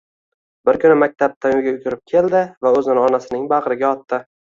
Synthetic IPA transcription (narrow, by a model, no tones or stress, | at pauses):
bɪɾkʰʲʊnɪmak̚ʲt̪ʰap̚t̪ʰanʊɡʲaʊɡʰʲʊɾɪp̚kʲʰe̞ld̪ɪvaɵzɪnɪɒnasɪnɪŋbaʁɾɪɡʲaɒt̪ːɪ